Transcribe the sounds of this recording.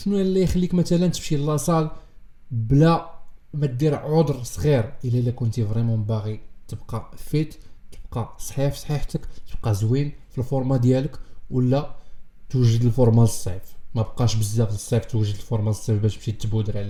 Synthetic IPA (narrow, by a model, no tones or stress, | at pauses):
ʃnuælːæjxlːikmæt̪ælənt̪ə̥fʃilːɑsˤɑl | blæmæt̪̚d̪iɾʕod̪ɾsˤɣiɾʔəlːælækʊnt̪ivʁimɑ̃baɣit̪əbqɑfit̪t̪əb̚qɑsˤħifsˤħiħt̪əkt̪əb̥̚qɑzwin | filfoɾˤmɑd̪jæləkwəlːæt̪wəʒəd̪əlfoɾˤmɑləsˤifmæbqɑʃbəzːæfləsˤːeft̪wəʒːəd̪əlfoɾˤmɑləsˤːefbæʃbʃit̪ːəbud̪ɾæl